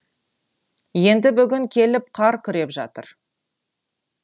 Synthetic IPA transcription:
je̞nd̪ɪbʏɡʲɪŋkʲʰe̞lɪp̚qʰɑɾkʲʰʏɾe̞pʒɑ̰t̪əɾ

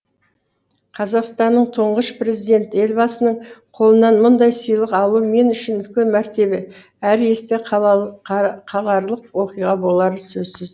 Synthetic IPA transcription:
qʰɑzɑqst̪ɑnːəɴt̪ʰoɴʁəʃpɾe̞zijd̪e̞nt̪e̞lbɑsənəɴqʰolˠənɑnmʊnd̪ɑjsəjlˠəqɑlˠuəme̞nʏʃɪnʏkʲenmæɾt̪e̞be | æɾe̞st̪e | qʰɑlˠɑɾlˠəqwo̞qijʁɑbo̞lˠɑɾəsɵzsɪz

